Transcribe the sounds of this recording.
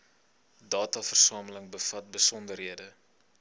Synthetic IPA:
dɑːtɑːfərsɑːmələŋbəfɐt̚bəsɔndərɦiədə

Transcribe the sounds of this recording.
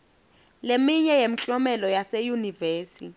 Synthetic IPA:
lemiɲɛjem̩t͡ɬʼɔmɛlɔjasejuniveːsi

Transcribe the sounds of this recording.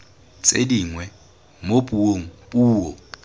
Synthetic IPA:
t͡sʼediŋwɛ | mopʼuoŋ̩buːwɔ

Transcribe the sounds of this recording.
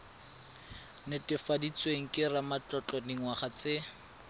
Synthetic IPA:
nɪtʼɪfadit͡sweŋ̩kʼɪramat͡ɬɔt͡ɬɔdiŋ̩waχat͡sɪ

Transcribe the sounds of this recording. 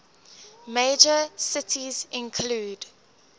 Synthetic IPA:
meɪd͡ʒəsɪtʰizɪ̃nkʰluːd

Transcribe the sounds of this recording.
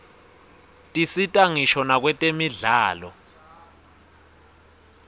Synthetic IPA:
tʼisitʼaŋiʃɔnak̬wɛtʼemiɮaːlɔ̰

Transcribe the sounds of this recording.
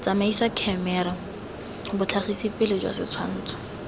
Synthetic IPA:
t͡samaisakʰɛmɛɾa | bʊt͡ɬʰaχisipɪlɪd͡ʒwa̰sɪt͡sʰwan̩ːt͡sʰḁ

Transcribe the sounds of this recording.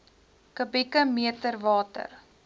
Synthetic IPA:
kəbikəmiətərvɑːtə̰r

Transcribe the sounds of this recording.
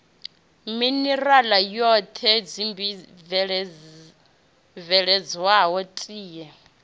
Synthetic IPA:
minɛralajɔt̪ʰɛd͡zimbi | vɺ | vɛɺɛd͡zwaɦɔtʼiːjɛ

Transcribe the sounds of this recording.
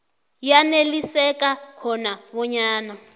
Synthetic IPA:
janelisɛkakʰɔnaβɔɲaːna

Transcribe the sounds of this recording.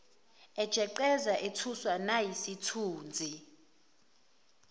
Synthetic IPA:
ɛd̥ʒ̥ʱɛǃɛzaʔetʰuswanajisitʰuːnd͡zʱi

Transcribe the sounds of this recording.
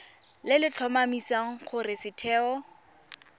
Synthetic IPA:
lɪlɪt͡ɬʰɔmamisaŋ̩χʊrɪsɪtʰɛːɔ

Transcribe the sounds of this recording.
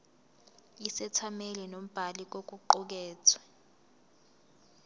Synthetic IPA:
isɛtʰamelinom̩b̥ʱalik̬ʼok̬ʼuǃɔk̬ɛːt͡sʰwɛ

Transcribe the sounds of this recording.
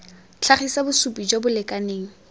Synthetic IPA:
t͡ɬʰaχisabʊsupʼid͡ʒobʊlɪkʼaneːŋ̩

